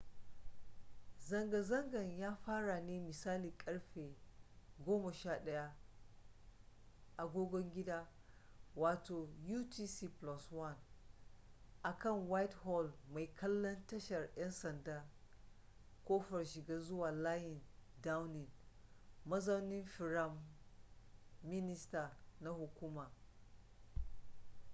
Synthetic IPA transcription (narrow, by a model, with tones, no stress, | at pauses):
zɐ˨ŋɡa˨zɐ˦ŋɡɐ˨ɲjaː˦ɸaː˦ɽa˨neː˦mɪ˨saː˦liː˨kʼɐ˦ɽɸeː˨ɡʷoː˦mɐ˨ʃaː˦ɗɐ˦ja˦ | ʔa˨ɡʷoː˦ɡʷɔ˦ŋɡʲɪ˦daː˦ | waː˨toː˨juː˦ti˦si˦˨plɔ˦swɐ˦˨n | ʔa˨kɐ˦˨ŋwa˦jthɔ˦lma˨jkʰɐ˦lːɐ˦ntɐ˦ʃɐ˨rʔɛ˦nsɐ˨ndaː˦ | kʷoː˦ɸɐ˨rʃɪ˨ɡaː˦zʊ˦waː˨la˦ji˨n | da˦wnɪ˨n | mɐ˦zɐ˦nɪ˦nfi˨ɾa˦m | ɪ˦nɪ˦sta˨na˦hu˨kʷuː˦ma˨